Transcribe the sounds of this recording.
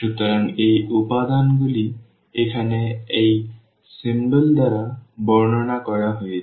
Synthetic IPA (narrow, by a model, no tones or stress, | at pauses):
ʃut̪ɔɾaŋejupad̪anbuli | ekʰanɛej | simbəld̪aɹabɔɹnɔnakɔɹaɦoje